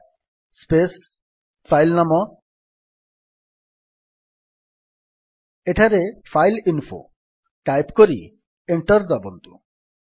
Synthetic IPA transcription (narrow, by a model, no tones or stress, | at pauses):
spes | fʰajlnamɔ | eʈʰaɾefʰajlinfo̰ | ʈajpkoɾḭ | eɳʈɔɾd̪ɔbond̪ṵ